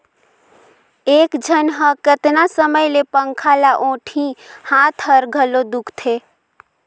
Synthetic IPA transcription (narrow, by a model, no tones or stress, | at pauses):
eːkd͡ʒʱənɦəkət̪nasəməjlepə̃ŋkʰalaʔõːʈʰĩhãːt̪ʰɦəɾɡʱəlod̪ʊkʰt̪ʰe